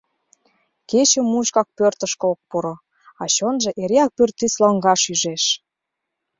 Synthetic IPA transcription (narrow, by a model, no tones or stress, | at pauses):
ket͡ɕə̆mːuɕkɑk̚pørt̪ə̆ʃkɤok̚poɾo | ɑt͡ɕonʒĕʔeɾeɑk̚pørt̪ːislɑŋɡɑʃyʒeʃ